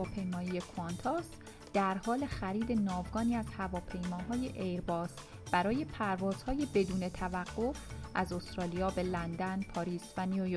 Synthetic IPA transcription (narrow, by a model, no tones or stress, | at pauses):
ɒːpʰe̞jmɒːjije̞kʰɑnt̪ʰɒs | d̪̥æɾhɒːle̞xæɾiːd̪e̞nɒːvɡɒːniːæzhævɒːpʰe̞jmɒːɦɒːje̞ʔejɾbɒːs | b̥æɾɒːje̞pʰæɾvɒːz̥hɒːje̞be̞d̪uːne̞t̪ʰævæɡːo̞fʔæzo̞st̪ɾɒːlijɒːbe̞lænd̪ænpʰɒːɾiːsvæniuo